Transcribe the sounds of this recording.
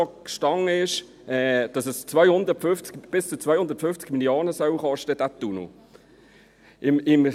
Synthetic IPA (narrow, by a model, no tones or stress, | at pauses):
ɔkʃtɑŋːəɪʃ | ɛːd̥ɑsəst͡sʋœjhʊnd̪ətfʏft͡sɡ̥b̥ɪst͡sut͡sʋœjhʊndəɾtfʏnft͡sɡ̥miljoːnəsœwχɑʃtəd̥æt̪ːunṵ | ɪmɪm